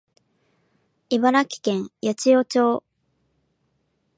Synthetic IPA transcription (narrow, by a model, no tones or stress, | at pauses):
iβaɾakʲi̥kẽ̞ɰjat͡ɕijoːt͡ɕo̞ː